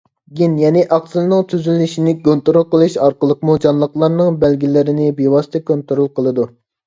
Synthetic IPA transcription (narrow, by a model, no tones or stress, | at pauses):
ɡʲinjɛnɪʔɑqsɨlˠnɨŋt̪ʰyzylːɪʃinɪkont̪oɾulˠqəlˠɨʃɑɾqəlˠəqmud͡ʒɑnlˠəqlˠɑɾnɨŋbɛlɡʲilɪɾɪnɪbewɑsɨ̥t̪ʰɛkont̪oɾulˠqʰəlˠɨd̪u